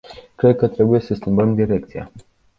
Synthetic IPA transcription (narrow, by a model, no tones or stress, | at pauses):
kɾe̞d̪̚kət̪ɾe̞buje̞səskʲimbəmd̪iɾe̞k̚t̪sija̰